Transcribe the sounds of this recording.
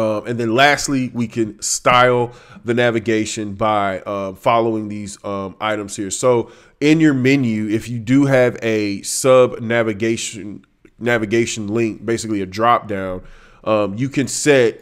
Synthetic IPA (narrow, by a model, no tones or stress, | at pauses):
ʌ̃mɨ̃nðɨ̃nlæstˡliwikʰɨ̃nstaɪlˠðɨnævɨɡeɪʃɨ̃nbaɪʔʌ̃fɑlˠoʊɪ̃ŋðizʌ̃mʔa̰ɪɾɨ̃mz̥hiɹ̥soʊ | ɪ̃njə˞mɪ̃njʉɪfjɨdɨɨvɨsʌbnævɨɡeɪʃɨ̃n | nævɨɡeɪʃɨ̃n̩lɪ̃ŋk̚b̥eɪsɨkliɨdɹɑp̚d̥ãʊ̃n | ʔʌ̃mjɨkʰɨ̃nsɛt̚